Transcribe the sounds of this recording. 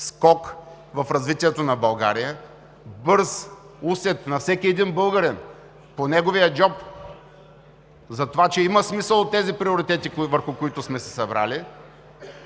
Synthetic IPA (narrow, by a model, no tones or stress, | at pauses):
skɔk | vɐfɾɐzvit̪iɛt̪onɐbɐlˠɡa̰ɾijə | bɤɾs | usɛt̪nɐfsɛkʲiɛd̪inbɤlˠɡəɾɛn | ponɛɡovijəd͡ʒɔp | zɐt̪ovat͡ʃɛimɐsmisəlˠot̪ːɛzipɾioɾit̪ɛt̪ikvəɾxʊkoit̪ʊsmɛsɛ̥sɐbɾa̰li